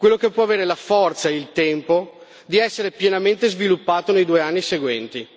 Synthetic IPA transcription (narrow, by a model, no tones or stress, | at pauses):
kwelːokepːwɔaveːɾelafɔrt̪sailt̪ɛmpo | d̪iɛsːeɾepjenament̪ezvilupːaːt̪onejd̪uːeanːiseɡwɛnt̪i